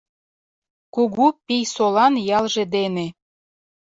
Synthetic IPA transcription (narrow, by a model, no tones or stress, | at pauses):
kuɣupijsolɑnjɑlʒĕd̪ene